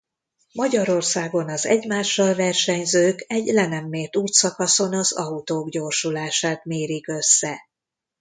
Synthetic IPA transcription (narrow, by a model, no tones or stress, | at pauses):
mɒɟɒɾo̞rsaːɡo̞nɒzɛ̰ɟmaːʃːɒlvɛrʃɛɲzøːkɛɟlɛnɛmːeːrt̪uːt̪sɒkɒso̞nɒzɒ̰ut̪oːɡɟoːrʃulaːʃaːt̪meːɾikø̞sːɛ